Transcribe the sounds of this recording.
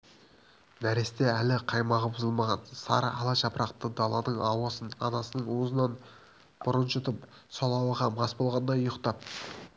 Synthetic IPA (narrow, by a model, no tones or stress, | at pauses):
næɾe̞st̪e̞ælɪqʰɑjmɑʁəbʊzəlˠmɑʁɑnsɑ̰ɾəʔɑlˠɑʃɑpɾɑqt̪əd̪ɑlˠɑnəɴɑwɑsənɑ̰nɑsənəɴwozənɑn | b̥ʊɾənʃət̪əp | solˠɑwɑʁɑmɑsbo̞lˠʁɑnd̪ɑjojəqt̪ɑp̚